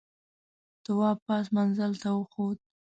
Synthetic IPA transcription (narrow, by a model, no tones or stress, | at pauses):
t̪ʊwɑpɑs̬manzalt̪awəxod̪̚